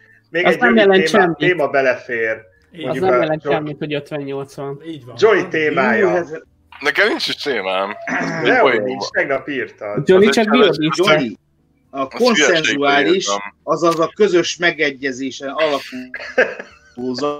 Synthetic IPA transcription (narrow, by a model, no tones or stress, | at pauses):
meːɡɒɛznɛmjɛlɛnt͡ʃɛmːieːmɒbɛlɛfeːr | onɛmjɛlɛnɛmːit̪hoɟøt̪ʋɛɲːo̞lt̪sʋɒnːd͡ʒonit̪eːmaːjɔ | nɛkɛmnint͡ʃiʃt̪eːmaːmɛint͡ʃt̪ɛɡnɒpiːrt̪ɒd͡ʒonit͡ʃɒkbid̪id͡ʒoni | ɒko̞nsɛnzuaːliʃɒzɒzɒkø̞zø̞ʃmɛɡɛɟːɛzeːʃɛnɒlɒpuː | oːzɒ